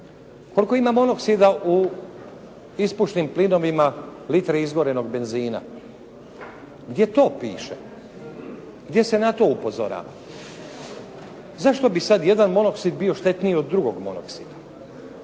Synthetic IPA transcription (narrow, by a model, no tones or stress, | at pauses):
ko̞liko̞imamo̞no̞ksid̪aʔu | ispuʃt̪nimplino̞ʋimalit̪ɾeizɡo̞ɾe̞no̞ɡbe̞nziːna̰ | ɡd̪ʲje̞t̪o̞ːpḭːʃḛ | ɡd̪je̞se̞nat̪o̞upo̞zo̞̰ɾa̰ːʋa̰ | zaʃt̪o̞bisad̪je̞d̪anmo̞no̞ksid̪bio̞ʃt̪e̞t̪nio̞d̪ːɾuɡo̞ɡmo̞̰no̰ksid̪a